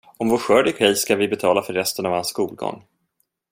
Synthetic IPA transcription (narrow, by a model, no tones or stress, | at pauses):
ɔmvoːɧœːɖɪɡɧɛjskavɪbɛt̪ʰɑːlafœɾːɛst̪ənavhanskuːlɡɔ̰ŋː